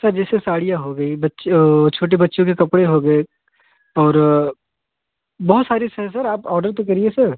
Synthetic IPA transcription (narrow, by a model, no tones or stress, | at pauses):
sɐɾd͡ʒɛːsesaːɽijãɦoɡɐibɐtːʃt͡ʃʰoːʈ̬ebɐtːʃõk̬ekɐpɽeɦoɡɐe | ɔːɾ | bɔɦʊt̪saːɾisɛɦsɐɾaːpɔːɾɖəɾt̪okɐɾiesɐɾ